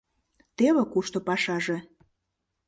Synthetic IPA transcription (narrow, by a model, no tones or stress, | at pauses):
t̪eβĕkuʃt̪opɑʃɑʒĕ